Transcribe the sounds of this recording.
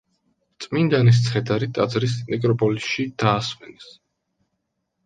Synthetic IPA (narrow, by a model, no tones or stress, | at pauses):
t̪sʼmind̪anis̬t̪sʰχɛd̪aɾit̪ʼad̪zɾis̬mɛkʼɾɔpʼɔlisʃid̪̥aːsmɛnɛs